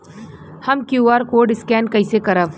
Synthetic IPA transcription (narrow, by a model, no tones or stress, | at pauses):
hɐmkjuːaːɾkoːɖɪskɛːnkɐisekɐɾəʋ